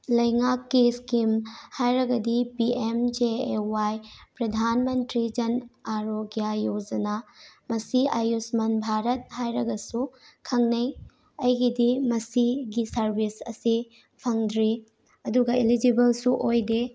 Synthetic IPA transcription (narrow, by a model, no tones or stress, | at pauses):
lɐjŋakːiskimhajɾɐɡɐdipiemd͡ʒeewajpɾɐdʱanmɐntɾid͡ʒɐnaɾoɡjajod͡ʒɐnamɐsiajusmɐnbʱaɾɐt̚hajɾɐɡɐsukʰɐŋnɐj | ɐjɡidimɐsiɡisɐɾbʱisɐ̰si | pʰɐŋdɾi | ɐduɡɐilid͡ʒibɐlsuʔojde